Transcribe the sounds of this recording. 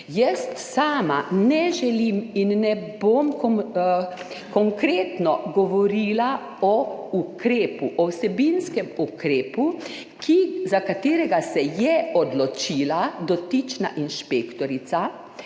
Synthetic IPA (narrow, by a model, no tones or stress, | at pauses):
jɛst̪saːma̰nɛʒɛliminːɛbomk | kɔŋkɾeːt̪nɔɡɔʋɔɾiːla | ɔukɾeːpuʔɔwsɛbinskɛmukɾeːpu | kʰizakat̪eːɾɛɡasɛjɛɔd̪lɔt͡ʃiːlad̪ɔt̪it͡ʃna̰ʔinʃpeːkt̪ɔɾit̪sa